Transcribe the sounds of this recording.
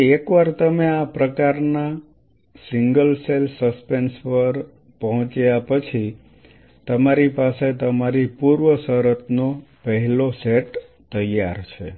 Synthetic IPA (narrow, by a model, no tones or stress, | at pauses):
ekʋaɾt̪əmeapɾəkaɾna | siŋɡəlselsəspenspəɾ | pəɦɔ̃t͡ʃjapət͡ʃʰi | t̪əmaɾipaset̪əmaɾipuɾʋəsəɾət̪nopəɦɛloseʈ | t̪əjaɾt͡ʃʰe